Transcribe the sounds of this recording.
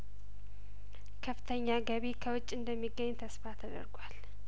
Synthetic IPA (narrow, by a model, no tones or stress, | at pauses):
kʰəfɨ̥t̪ʰəɲːaɡəβikʰəwʊt͡ʃʼːɨnd̪əmːiɡːəɲːt̪ʰəsfat̪ʰəd̪ə̰ɾɡwal